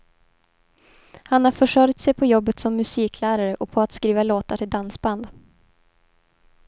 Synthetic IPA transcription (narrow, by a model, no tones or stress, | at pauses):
hanhaɾfœʂœɾ̚t̪sɛjpʰɔjɔbːət̪sɔmːɵsiːkʰlæːɾaɾəʔɔpʰɔat̪skɾiːvaloːt̪aʈʰɪld̪ansband̪